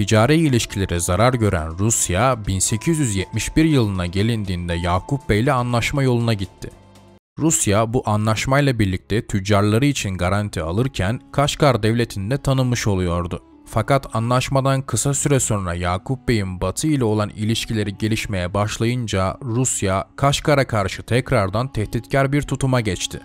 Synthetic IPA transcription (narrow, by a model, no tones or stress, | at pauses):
t̪ʰid͡ʒaːɾɛjilʲiʃcʰilʲe̞ɾizaɾaɾɟø̞ɾæ̰nɾusjabinse̞cʰizjyzjɛt̪miʃbiɾjɯlˠɯnaɟe̞lʲind̪iːnd̪ɛjaːkupbejlʲɛanlˠaʃmajo̞lˠunaɟit̪ʰːɪ | ɾusjabuʔanlˠaʃmajlˠabiɾlʲic̚t̪ʰɛt̪ʰyd͡ʒaɾlˠaɾɯit͡ʃʰinɡaɾant̪ʰialˠɯɾcʰænkʰaʃkaɾd̪ɛvlʲe̞t̪ʰind̪ɛt̪ʰanɯmːɯʃo̞lˠujo̞ɾd̪ʊ | fakat̪ʰanlˠaʃmad̪ankʰɯsasyɾɛso̞nɾajaːkʰupbejinbat̪ʰɯilʲɛo̞lˠanilʲiʃcilʲe̞ɾiɟe̞lʲiʃme̞jɛbaʃlˠajɯnd͡ʒaɾusjakʰaʃkaɾakʰaɾʃɯt̪ʰɛcɾaɾd̪ant̪ʰɛht̪it̪cʰæɾbiɾt̪ʰut̪ʰumaɟɛt͡ʃt̪ʰɪ̰